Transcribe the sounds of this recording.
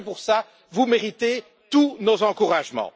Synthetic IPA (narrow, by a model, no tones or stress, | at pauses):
p̬uʁsa | vumeʁit̪e | t̪unozɑ̃kuʁaʒmɑ̰̃